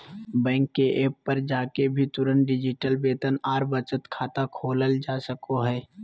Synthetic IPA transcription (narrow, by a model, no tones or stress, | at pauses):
bɛ̃ːŋkːeʔeːpːɐɾd͡ʒaːkebʱit̪ʊɾənɖɪd͡ʒɪʈəlbeːt̪ənaːɾbət͡ʃət̪kʰaːt̪akʰoːləld͡ʒaːsəkoɦɛː